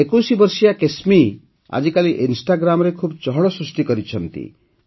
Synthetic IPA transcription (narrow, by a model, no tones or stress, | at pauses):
ekusibɔɾsijakesmi | a̰d͡ʒikaliʔinsʈaɡɾamɔɾekʰubt͡ʃɔɦɔɽɔsɾusʈikɔɾit͡ʃʰɔnt̪ḭ